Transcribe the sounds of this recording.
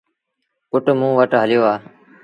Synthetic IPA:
kʊʈmũːʋəʈɦəljoːaː

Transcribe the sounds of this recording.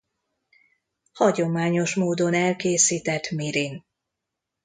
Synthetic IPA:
hɒɟo̞maːɲo̞ʃmoːd̪o̞nɛlkeːsiːt̪ɛt̪miɾin

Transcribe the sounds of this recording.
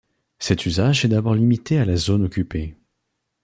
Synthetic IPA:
sɛt̪ʰyzaʒɛd̪abɔʁlimit̪ealazonɔkʲype

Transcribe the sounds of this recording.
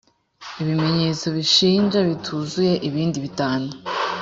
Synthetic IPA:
iβime̞ɲe̞ːt͡so̞βiʃiːnd͡ʒaβitʰuːzuje̞ʔiβiːndiβitaːno

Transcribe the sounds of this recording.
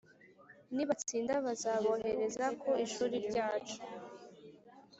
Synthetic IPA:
niβat͡siːndaβazaβo̞he̞ɾe̞zakʰoiʃuːɾiɾɟaːt͡ʃu̥

